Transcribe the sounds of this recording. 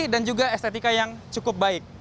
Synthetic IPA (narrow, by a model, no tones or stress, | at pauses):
dand͡ʒuɡaɛst̪et̪ikajaŋt͡ʃukʊp̚baɪk̚